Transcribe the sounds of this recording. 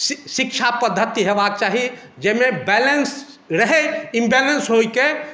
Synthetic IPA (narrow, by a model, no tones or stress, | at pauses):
ʃɪkʃʰapəd̪ʱːət̪iɦeʋak̚t͡ʃaːɦi | d͡ʒemebɛləns | ɾəɦɛɪmbelənsɦoike